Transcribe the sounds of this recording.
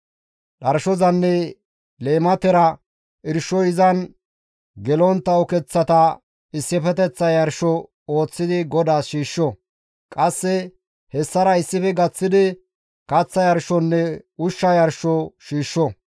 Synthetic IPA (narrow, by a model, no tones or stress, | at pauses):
ɗɐɾʃɔzɐnːɛ | le̞ːmɐt̪ɛɾɐ | ʔɪɾʃːɔɪzɐn | ɡɛlɔnt̪ːɐɔkɛt͡sːɐt̪ɐ | ɪsːɪfɛt̪ɛt͡sːɐjɐɾʃɔ | oːt͡sːɪd̪ɪɡɔd̪aːsʃiːʃːɔ | kʼɐsːɛ | hɛsːɐɾɐɪsːɪfɛɡɐt͡sːɪd̪ɪ | kɐt͡sːɐjɐɾʃɔnːɛʊʃːɐjɐɾʃɔʃiːʃːɔ